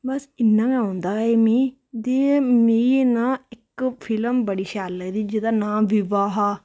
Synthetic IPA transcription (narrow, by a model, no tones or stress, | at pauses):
bəsɪnːãːɡãːnd̪aːeːmĩː | d̪eːmiːnãːɪkpʰɪləmbəɽiːʃaːləɡd̪iːd͡ʒɪd̪aːnãːmʋɪʋaːɦaː